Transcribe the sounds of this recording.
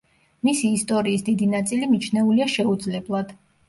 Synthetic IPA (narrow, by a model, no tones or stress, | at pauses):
misiːst̪ʼɔɾiːsd̪id̪inat̪sʼilimit͡ʃʰnɛuliaʃɛud̪zlɛblˠad̪̥